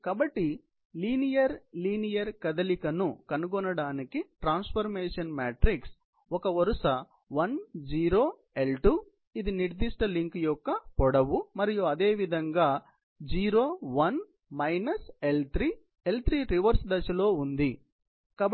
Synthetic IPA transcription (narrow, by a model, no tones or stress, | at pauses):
kaːbɐʈːi | liːnijɐɾliːnijɐɾkɐd̪ɐlikɐnukɐnuɡɔnɐɽaːnikiʈɾaːnspʰɐɾmeːʂɐnmaːʈɾiks | ɔkɐʋɐɾuʂɐ | ʋɐnd͡ʒiːɾoː | e̞lʈu | id̪iniɾd̪iʂʈɐliŋkjɔkːɐpɔɽɐʋumɐɾijuɐd̪e̞ːʋid̪ʱɐŋɡaː | d͡ʒiːɾo̞ːʋɐn | mɐjnɐselt̪ɾiː | elt̪ɾiːɾiʋɐɾsd̪ɐʃɐlo̞ːund̪i | kaː